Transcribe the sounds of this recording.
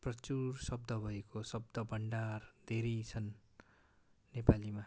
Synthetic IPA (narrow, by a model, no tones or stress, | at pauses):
prʌt͡sursʌb̚d̪ʌbʱʌekosʌb̚d̪ʌbʱʌɳɖard̪ʱeɾejt͡sʰʌn | epalima